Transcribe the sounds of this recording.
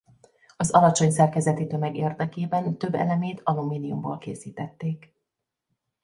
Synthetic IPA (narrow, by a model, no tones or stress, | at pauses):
ɒzɒlɒt͡ʃo̞ɲsɛrkɛzɛt̪it̪ø̞mɛɡeːrd̪ɛkeːbɛnt̪ø̞bːɛ̰lɛmeːt̪ʰɒlumiːnijumbo̰lkḛːsiːt̪ɛt̪ːeːk